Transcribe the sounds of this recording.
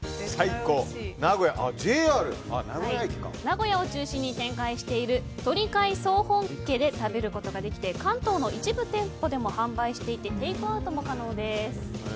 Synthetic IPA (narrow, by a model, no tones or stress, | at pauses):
saikoːnaɡo̞jaʔad͡ʑeːaːɾɯ̟a̰naɡojakʲi̥ka̰naɡo̞jao̞t͡ɕɨːɕĩɲ̟ːit̪ẽ̞ŋkaiɕi̥t̪e̞iɾɯ̟t̪o̞ɾʲikaiso̞ːhõ̞ŋke̞d̪e̞t̪abe̞ɾɯ̟ko̞t̪oɡad̪e̞kʲi̥t̪e̞kãnt̪o̞ːno̞ʔit͡ɕibɯ̟t̪ẽ̞mpo̞d̪e̞mo̞hãmbaiɕi̥t̪e̞it̪e̞t̪e̞ikɯ̟at̪o̞mo̞kano̞ːd̪e̞sɨ̥